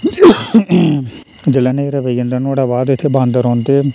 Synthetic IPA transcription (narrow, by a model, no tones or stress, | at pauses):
d͡ʒəlɛːneɾəʋəiənd̪anũːɽaːbaːd̪ɪt̪ʰːeːbãːnd̪əɾɔːnt̪eː